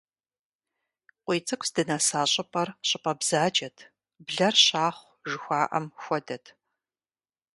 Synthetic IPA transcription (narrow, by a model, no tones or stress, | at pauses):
qʷiːt͡sʼɨkʷʰʼsdɨnaːsaːɕʼɪpʼɐrɕʼɪpʼɐbz̥aːd͡ʒɐtʰ | bɮɐrɕaːχʷ | ʒɨxʷaːʔɐ̰mxʷɔdɐtʰ